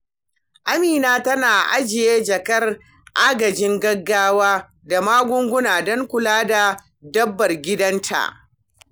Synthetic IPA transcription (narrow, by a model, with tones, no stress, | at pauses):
ʔa˦miː˨naː˦tɐ˦naː˨ʔa̰˦d͡ʒɪ˨jeː˦d͡ʒɐ˨kɐ˦r | ʔaː˦ɡɐ˨d͡ʒɪ˦ŋɡɐ˦ɡːaː˦waː˦ | da˨maː˦ɡʷʊ˦ŋɡʷʊ˦naː˨dɔ˦ŋkʷʊ˨laː˦da˨ | dɐ˦bːɐ˨rɡʲɪ˦dɐ˦ntʰa̰˨ʔ